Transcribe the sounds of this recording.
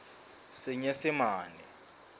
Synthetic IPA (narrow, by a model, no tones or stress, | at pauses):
sɪɲɛsɪmaːnɛ̰